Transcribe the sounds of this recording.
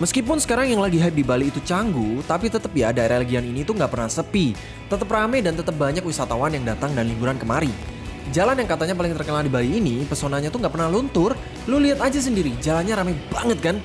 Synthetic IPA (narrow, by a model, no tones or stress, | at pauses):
məskipʊnsə̥kaɾaŋjaŋlaɡiɦap̚dibaliːt̪ut͡ʃaŋɡut̪apit̪ət̪əp̚jadaeɾaləɡianinit̪uŋɡaʔpərnahsəpi | t̪ət̪əp̚ramɛdant̪ət̪əp̚baɲak̚wisat̪awanjaŋdat̪aŋdanliŋɡuɾankəmaɾid͡ʒalanjaŋkat̪aɲapalɪŋt̪ərkənaldibaliːnipərsonaɲat̪uŋɡaʔpərnahlunt̪ʊr | luliɦat̪ad͡ʒas̬əndiɾid͡ʒalanɲaɾamabaŋət̪̚kan